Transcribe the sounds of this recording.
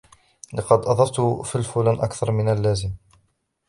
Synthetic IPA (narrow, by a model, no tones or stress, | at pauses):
lɑqɑd̪ʔɑðˤɑft̪ʊfilfʊlaːnʔakθɑɾˤmɪnalːæːzɪm